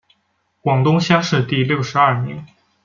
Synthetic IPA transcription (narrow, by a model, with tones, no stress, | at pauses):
kwɑ˨˩ŋt̪ʊ˥ŋɕjɑ˥ŋʂɻ̩˥˧t̪i˥˧ljo˥˩ʊʂɻ̩˧˥ɐ˥˩mi˧˥ŋ